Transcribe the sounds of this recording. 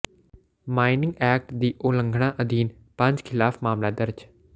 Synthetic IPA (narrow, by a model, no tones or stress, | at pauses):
maːinɪ̃ŋɡɛːk̚ʈd̪iːʔoːlə̃ŋɡʱɽãːʔəd̪iːn | pə̃ɲd͡ʒkʰɪlaːfmaːmlaːd̪əɾd͡ʒ